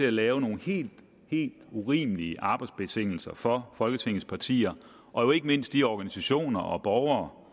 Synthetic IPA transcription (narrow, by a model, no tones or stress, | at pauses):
e̝ælɛːʊno̝ːn̩he̝̰ːld̥ | he̝̰ːld̥uʁiːməliəʔɑ̈b̥ɑ̈ɪd̥sb̥e̝t͡sʰeŋ̰l̩sɐfɒ̽fɒ̽lɡ̥ət͡sʰeŋ̰ð̩spʰɑ̈t͡sʰḭːɐ | ʔɒ̽jo̝e̝ɡ̥əme̝n̰sd̥iɒɡ̥ænisæɕo̝̰ːnɐʔɒ̽b̥ɒːʊɐː